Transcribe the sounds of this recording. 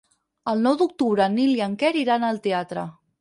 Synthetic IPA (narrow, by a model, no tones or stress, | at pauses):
əlˠnɔwd̪uk̚t̪uβɾəniliəŋkɛɾiɾanəlˠt̪eat̪ɾə̰